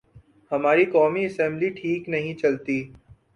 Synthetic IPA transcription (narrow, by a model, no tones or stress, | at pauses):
hɐmaːɾikɔːmiɐsɛ̃mbliʈʰiːknɐɦĩt͡ʃɐlt̪iː